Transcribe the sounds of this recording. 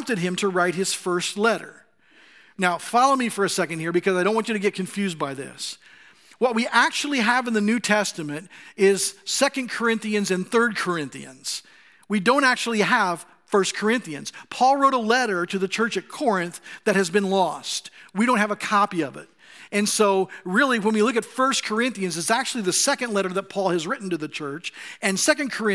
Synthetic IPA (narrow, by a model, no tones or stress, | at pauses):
mp̚tɨd̚ɨ̃mtʰɨɹaɪt̚hɨz̥fɜ˞stˡlɛɾə̰˞ | naʊfɑlˠoʊmifə˞ɨsɛkɨ̃n̩d̚hiɹbɨkʰʌzaɪõʊ̃nʔwɑ̃nt͡ʃɨɾɨɡɛt̚kʰɨ̃ɱfjʉzbaɪðɪ̰s | wʌt̚wiʔæk̚t͡ʃul̩ˠiɨṽnðɨnʉtʰɛstɨmɨ̃ntɪz̥sɛkɨ̃nkʰə˞ɪ̃nθiɨ̃nzɨ̃nθɜ˞d̚kʰə˞ɪ̃nθḭɨ̃nz̥ | widõʊ̃næk̚t͡ʃul̩ˠiəv̥ | fɜ˞skʰə˞ɪ̃nθiɨ̰̃nz̥pʰɔlˠɹoʊɾəlɛɾə˞ɾɨðɨt͡ʃʰɜ˞t͡ʃɨt̚kʰɔɹɨ̃nθðɨt̚hɨzbɨ̃nlɔstwidõʊ̃nɦɨvəkʰɑpiʌvɪ̰t̚ɨ̃nsoʊɹɪlˠiwə̃nwilʊkɨtfɜ˞skʰə˞ɪ̃nθiɨ̃nzɨzæk̚t͡ʃʉl̩ˠiðɨsɛkɨ̃ndlɛɾə˞ðət̚pʰɔlˠɨzɹɪʔn̩tɨðɨt͡ʃʰɜ˞t͡ʃɨ̃nsɛkɨ̃n̩kʰə˞ɪ̃